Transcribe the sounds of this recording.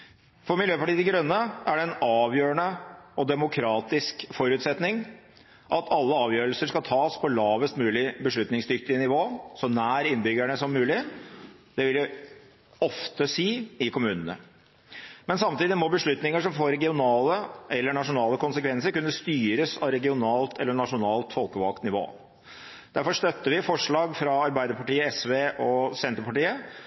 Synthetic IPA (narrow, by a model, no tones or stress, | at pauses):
fɔɾmɪljøːpʰɑʈiːd̪ɪɡɾœnːəæɖɛɛnɑːʋjøːəɳəɔd̪ɛmʊkʰɾɑːt̪ɪskfɔɾʉːt̪sɛt̪nɪŋ | ʔɑt̪ʰɑlːəɑːʋjøːɾəlsəʂkɑlt̪ʰɑːspʰɔlɑːʋəst̪mʉːlɪbəʂɭʉt̪nɪŋsd̪ʏkt̪ɪnɪʋoːsɔnæːɾɪnbʏɡæɳəsɔmːʉːlɪ | d̪̥ɛʋɪljæ | ɔft̪əsiːɪkʊmʉːnənə̰ | mɛnsɑmt̪iːd̪ɪmɔbəʂɭʉt̪nɪŋəʂɔmfoːɾɛɡɪʊnɑːləʔɛlːəɳɑʂʊnɑːləkʊnsəkʰʋɛnsəɾkʉnːəst̪yːɾəsɑʋɾɛɡɪʊnɑːlt̪ʰɛ̰lːəɳɑʂʊnɑːlt̪fɔlkəʋɑkt̪nɪʋo̰ː | d̪̥æɾfɔʂt̪œt̪ːəʋɪfɔʂɭɑːɡfɾɑɑɾbæɪd̪əɾpɑʈiːəɛsʋeːʔɔsɛnt̪ɾpɑʈiːə